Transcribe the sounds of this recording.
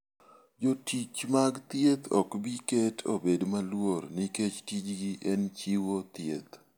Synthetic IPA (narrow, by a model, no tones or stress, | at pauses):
d͡ʒotʰit͡ʃmaɡt̪jet̪ɔ̰kbiketʰo̰bedmalwoɾniket͡ʃtid͡ʒɡiʔɛnt͡ʃiwot̪jḛt̪